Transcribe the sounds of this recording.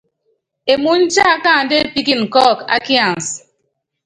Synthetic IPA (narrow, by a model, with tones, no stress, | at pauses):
e˨mu˨n̩˦t͡ʃa˦a˦ka˦˨n̩˨de˦pi˦ki˦˨ŋ̩˨kɔ˦˨ka̰˦kja˨n˨s